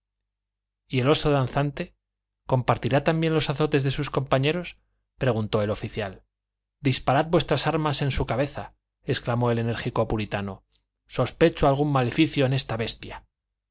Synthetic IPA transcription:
ie̞lo̞so̞ðanθant̪e̞ | ko̞mpaɾt̪iɾat̪ambje̞nlo̞saθo̞t̪e̞zðe̞susko̞mpaɲe̞ɾo̞s | pɾe̞ɣ̞unt̪o̞e̞lo̞fiθjal | d̪ispaɾad̪̚bwest̪ɾasaɾmase̞nsukaβe̞θa̰ | e̞sklamo̞e̞le̞ne̞ɾxikoapuɾit̪ano̞ | so̞spe̞t͡ʃoalɣ̞umːale̞fiθjo̞ene̞st̪aβe̞st̪ja

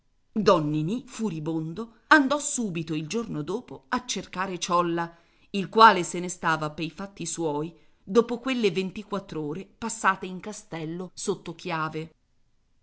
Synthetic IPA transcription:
d̪ɔnːinifuɾibond̪o | and̪ɔsuːbit̪oild͡ʒornod̪oːpoat͡ʃːerkaːɾet͡ʃɔlːa | ilkwaːlesenest̪aːvapejfat̪ːiswɔːj | d̪oːpokwelːevent̪ikwat̪ːɾoːɾepasːaːt̪eiŋkast̪ɛlːosot̪ːokjaːve

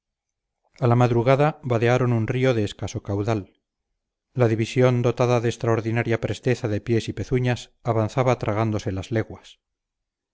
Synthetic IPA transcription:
alamaðɾuɣaðaβaðeaɾonunrio̞ðe̞ːskaso̞kawðalː | aðiβisjo̞nd̪o̞t̪aðaðest̪ɾao̞ɾðinaɾjapɾe̞st̪e̞θaðe̞pje̞sipe̞θuɲasaβanθaβat̪ɾʔaɣ̞and̪o̞se̞lazle̞ɣwas

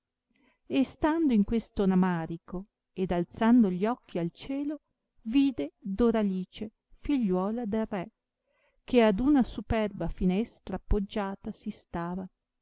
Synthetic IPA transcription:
est̪and̪oiŋkwest̪onamaːɾiko | ed̪alt̪sand̪oʎiɔk̟ːialt͡ʃɛːlo | viːd̪ed̪oɾaliːt͡ʃe | fiʎːwɔːlad̪elrɛ | kead̪unasupɛrbafinɛst̪ɾapːod͡ʒːaːt̪asist̪aːva

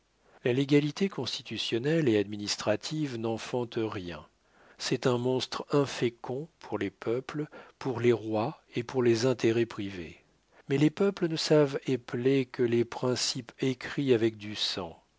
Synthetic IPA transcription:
laleɡalit̪ekɔ̃st̪it̪ysjɔnɛlead̪minist̪χat̪ʰivnɑ̃fɑ̃t̪ʁjɛ̰̃ | sɛt̪ɛ̃mɔ̃st̪χɛ̃fekʰɔ̃pʰuʁlepœplpuʁleʁwaepuʁlezɛ̃t̪eʁɛpχivḛ | mɛlepœplənəsaveplekəlepχɛ̃sipekχiavɛk̚d̪ysɑ̰̃

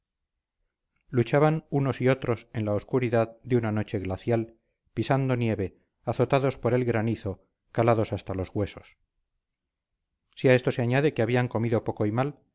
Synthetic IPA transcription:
lut͡ʃaβanuno̞sio̞t̪ɾo̞senlaoskuɾiðaðd̪eunano̞t͡ʃe̞ɣlaθjal | pisand̪o̞nje̞βe̞ | aθo̞t̪aðo̞spo̞ɾe̞lɣɾaniθo̞ | kalaðo̞sast̪alo̞zɣwe̞so̞s | iae̞st̪o̞se̞aɲaðe̞keaβiaŋko̞miðo̞po̞ko̞imal

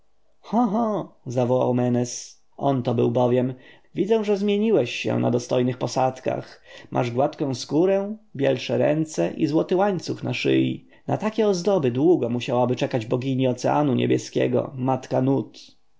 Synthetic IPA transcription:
xɔɦɔzavɔwa̰wmɛnɛs | ʔɔnt̪ɔbɘ̰wbɔvʲjɛm | vʲid̪zɛw̃ʐɛzmʲjeɲiwɛɕːɛ̰na̰d̪ɔst̪ɔjnɘxpɔsat̪ka̰xmʔa̰ʐɡwat̪kɔ̃skuɾɛbʲjɛlʂɛɾɛnt̪sɛʔizwɔt̪ɘwaɲt̪suxnaʂɘ̰jḭ | nat̪akʲɛɔzd̪ɔbɘd̪wuɡɔmuɕawabɘt͡ʂɛkad͡ʑbɔɡʲiɲiɔt̪sɛa̰nuɲɛ̰bʲjɛskʲɛ̰ɡɔ̰mat̪kanut̪

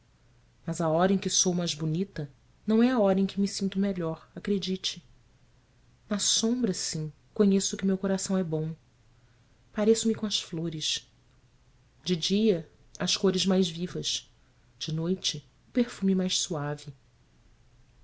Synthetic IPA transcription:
mɐzaɔɾɐẽkɪsowmajzbunit̪ɐ | nɐ̃w̃ɛaɔɾɐẽkɪmisĩnt̪ʊmeʎɔɾakɾed͡ʒit͡ʃɪ̥ | nɐsõbɾɐsĩ | koɲesʊkɪmewkoɾasɐ̃w̃ɛbõw̃ | paɾesʊmɪkõɐsfloɾɪʃ | d͡ʒɪd͡ʒiɐ | ɐskoɾɪzmajzvivɐʃ | d͡ʒɪnojt͡ʃɪ | ʊpeɾfũmɪmajʃsuavɪ

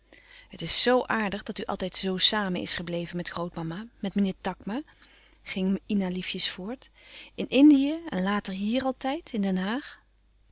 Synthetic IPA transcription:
ɦətɪsːowʔaːɹdəχdɑtyʔɑ̰lˠtɛjtzowsaːmənʔɪ̰sχəblejvənmɛtχrowt̚mɑmamɛtmənɪːɹtɑkma | χɪŋinalifjəsfʊːɹtɪnʔɪndijəɛnlaːtəɹɦiːrɑlˠtɛjtɪndɛnɦaːχ

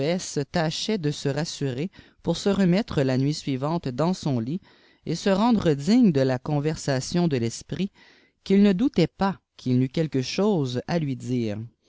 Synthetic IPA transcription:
ɛsət̪aʃɛd̪əsəʁasyʁe | puʁsəʁəmɛt̪χəlanɥisɥivɑ̃t̪d̪ɑ̃sɔ̃li | esəʁɑ̃d̪ʁəd̪iɲd̪əlakɔ̃vɛʁsasjɔ̃d̪əlɛspʁi | kʲilnəd̪ut̪ɛpa | kʰʲilnykʲɛlkəʃoːzalɥid̪iːʁ

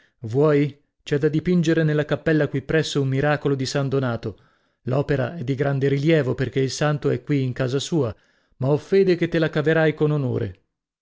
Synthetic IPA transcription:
vwɔːj | t͡ʃɛd̪ːad̪ipind͡ʒeɾenelːakapːɛlːakwipːɾɛsːoummiɾaːkolod̪isand̪onaːt̪o | lɔːpeɾa̰ɛd̪ːiɡɾand̪eɾiljɛːvoperk̟eilsant̪oɛkːwiːŋkaːzasuːa | maɔfeːd̪eket̪ːelakaveɾajkonono̰ːɾḛ

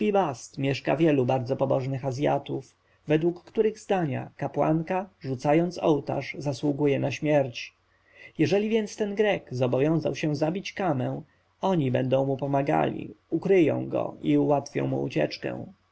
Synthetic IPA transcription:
pʲibast̪mʲjɛʂka̰vʲjɛlubaɾd̪zɔpɔbɔʐnɘxazʲja̰t̪uf | vɛd̪wukːt̪uɾɘɣzd̪aɲa̰kapwa̰ŋkaʐut̪sajɔnt̪sɔwt̪a̰ʂzaswuɡujɛnaɕmʲjɛɾt͡ɕ | jɛʐɛlʲivʲjɛnt̪st̪ɛnɡɾɛkzɔbɔvʲjɔ̃w̃za̰wɕɛzabʲit͡ɕkamɛw̃ | ɔɲibɛnd̪ɔ̃w̃mupɔmaɡa̰lʲḭukɾɘjɔ̰̃w̃ɡɔ̰iuwat̪fʲjɔ̰̃w̃mṵṵt͡ɕɛ̰t͡ʂkɛ̰w̃

